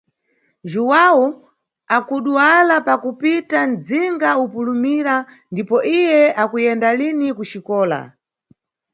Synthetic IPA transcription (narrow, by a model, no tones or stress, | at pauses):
ʒuwau | akuɗuwalapakupitand͡ziŋɡaupulumiɾa | ndipɔʔijɛakujɛndalinikut͡ʃikɔːla̰